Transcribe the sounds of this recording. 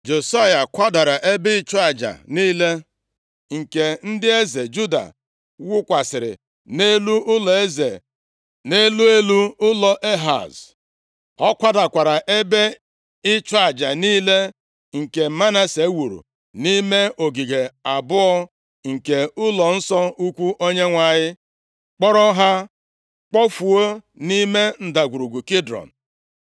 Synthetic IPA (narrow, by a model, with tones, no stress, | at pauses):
d͡ʒo˨sa˦ja˨kʷa˦da˨ɾa˨ʔe˦be˦ɪ˦t͡ʃʊ˦a˨d͡ʒa̰˨niː˦le˦ | ŋ̩˨ke˨n̩˦dɪ˦e˦ze˨d͡ʒu˦da̰˨ | wʊ˦kʷa˨sɪ˨ɾɪ̰˨ | ne˦lu˦ʔʊ˦lɔ˨e˦ze˨ | ne˦lu˦e˦lu˦ʊ˦lɔ˨ʔe˦ɦa̰˨z | ɔ˦kʷa˦da˨kʷa˨ɾa˨ʔe˦be˦ | ɪ˦t͡ʃɔ˦a˨d͡ʒa˨niː˦le˦ | ŋ̩˨ke˨ma˦na˦se˨˦wu˨ɾṵ˨ | ni˦me˦ʔo˨ɡi˨ɡe˨a˨bʊ˦ɔ˦ | ŋ̩˨ke˨ʊ˦lɔ˨n̩˦sɔ˦u˦kʷu˦ʔo˦ɲe˦ŋʷa˨ɲɪ˦ | k͡pɔ˦ɾɔ˦ɦa˦ | k͡pɔ˦fu˨o˦ | ni˦me˦n̩˨da˨ɡʷu˨ɾu˨ɡu˨ki˦dɾɔ̰˨n̩˨